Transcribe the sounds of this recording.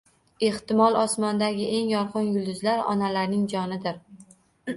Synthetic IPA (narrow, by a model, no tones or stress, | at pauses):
e̞ht̪ɪmɒlˠɒsmɒnd̪aɡʲɪʔe̞ŋjɒɾqɨnjʊlˠd̪ʊzlaɾɒ̰nalaɾnɪŋd͡ʒɒnɪd̪ɪɾ